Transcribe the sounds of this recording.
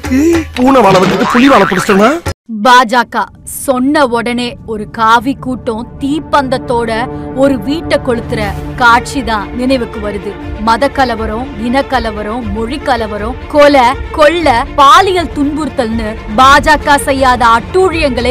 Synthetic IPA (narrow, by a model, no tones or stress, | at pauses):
puːnɐʋaːɭɐʋɐkɯkːɯpʊlɪʋaːɭɐpːɐɽɯsɐŋãːbaːd͡ʒaːkaː | sɔnːɐɔɽɐneːɔɾɯkaːʋikːuːʈːʊ̃t̪iːpːɐnd̪ɐt̪ːoːɽɐɔɾɯʋiːʈːɐkːɔɭɯt̪ːɯɾɐkaːʈ̚t͡ʃiðãːnɪnɐɪʋɯkːɯʋɐɾɯðɯmɐðɐkːɐlɐʋɐɾʊ̃ɡɪnɐkːɐlɐʋɐɾʊ̃mʊɻikːɐlɐʋɐɾʊ̃kɔlɐkɔɭːɐpaːlɪjɐlt̪ʊnbɯɾt̪ːɐlnɯbaːd͡ʒaːkaːsɛjːaːðɐɐʈːuːɻɪjɐŋɡɐɭɐ